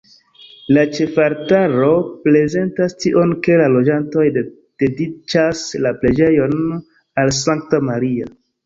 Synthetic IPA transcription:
lat͡ʃe̞faɾtaɾo̞pɾe̞ze̞ntastiʔo̞nke̞lalo̞d͡ʒanto̞jde | d̥e̞dit͡ʃaslaple̞d͡ʒe̞jo̞n | als̬aŋk̚tamaɾia

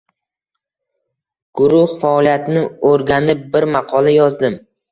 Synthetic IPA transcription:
ɡ̥ʊɾʊhfaɒlijat̪nɪoɾɡʲanɪp̚bɪɾmɑqʰɒlajɒzd̪ɪm

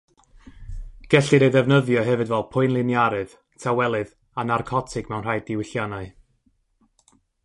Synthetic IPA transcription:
ɡ̥ɛɬɨɾeðɛvnəðjɔɦɛvɨdvɛlˠpʰʊɨnlˠɪnjaɾɨð | tʰawɛlˠɨð | anarkʰɔtʰɪɡ̥mɛwnr̥ajdɪwɪɬjanaɨ

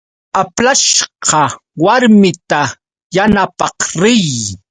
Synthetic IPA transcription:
aplaʃqɑ | waɾmɪt̪a | janapɑqɾɪj

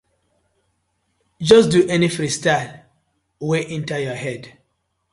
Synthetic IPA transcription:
d͡ʒɔsduʔɛnifɹistal | weʔĩntajɔhɛd

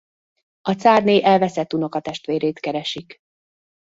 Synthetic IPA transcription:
ɒt̪saːrneːʔɛlvɛsɛt̪ːuno̞kɒt̪ɛʃt̪ʋeːɾeːt̪kɛɾɛʃik

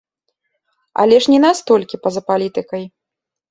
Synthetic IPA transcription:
ɐ̰lʲɛʂnʲɛnast̪ɔlʲkʲipɐzɐpalʲit̪ɨkɐj

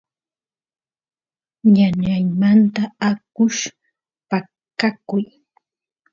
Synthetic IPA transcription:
ɲaɲajmant̪aakʊʃ | pa | kakʊj

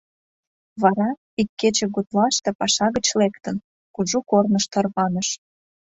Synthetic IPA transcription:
βɑɾɑ | ikːet͡ɕĕɣut̪lɑʃt̪epɑʃɑɣət͡ɕlekt̪ən | kuʒukornəʃt̪ɑrβɑnəʃ

